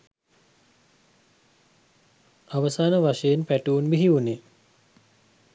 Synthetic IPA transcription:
aʋəsaːnəʋaʃejenpæʈuunbiɦiʋuni

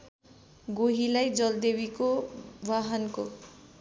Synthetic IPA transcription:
ɡoɦilajd͡zʌld̪ebikobʱaɦʌnko

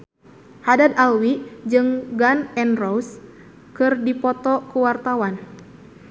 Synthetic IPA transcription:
hadat̪alwid͡ʒɨŋɡanɛnrows | kɨrdipɔt̪ɔkuwart̪awan

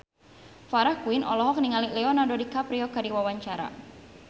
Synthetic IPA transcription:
faɾahkuɪnɔlɔɦɔk̚niŋalilɛɔnadodikapɾiɔkadiwawaɲt͡ʃaɾa̰

